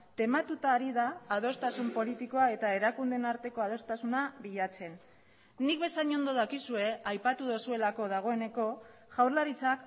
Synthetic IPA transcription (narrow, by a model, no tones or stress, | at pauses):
t̪e̞mat̪ut̪aːɾiðaːð̞o̞st̪asumpo̞lit̪iko̞ae̞t̪ae̞ɾakund̪enaɾt̪e̞ko̞að̞o̞st̪asunaβiʎat͡se̞nː | ik̚βe̞saɲo̞nd̪o̞ð̞akisue̞ajpat̪uðosue̞lako̞ð̞aɣ̞o̞e̞ne̞ko̞ʝawɾlaɾit͡sak